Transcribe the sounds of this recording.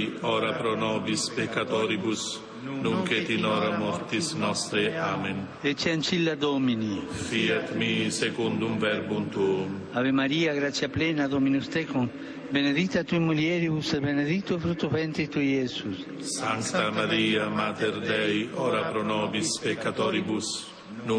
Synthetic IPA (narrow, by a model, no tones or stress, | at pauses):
ɔɾapɾonɔbispekːat̪ɔɾibus | nuŋket̪inɔɾamɔɾt̪isnɔst̪ɾeamen | et͡ʃiant͡ʃilːad̪ominifiet̪misekund̪umvɛɾbunt̪um | aβemaɾiaɡɾasjaplenad̪ominust̪ɛkum | bened̪it̪at̪uimuljɛɾibusebened̪it̪ːofɾut̪uvent̪ɾit̪uesus | saŋkt̪amaɾiamat̪eɾd̪ɛjoɾapɾonɔbispekːat̪ɔɾibus | nu